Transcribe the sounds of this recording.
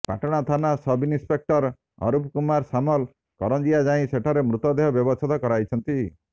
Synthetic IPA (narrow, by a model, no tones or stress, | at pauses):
pa̰ʈɔɽ̃at̪ʰanasɔbinĩspek̚ʈɔɾ | ɔ̰ɾupʰkumaɾsamɔl | kɔɾɔnd͡ʒijad͡ʒaĩseʈʰaɾemɾut̪ɔd̪eɦɔbjɔbɔstʰat̪ɔkɔɾajt͡ʃʰɔnt̪i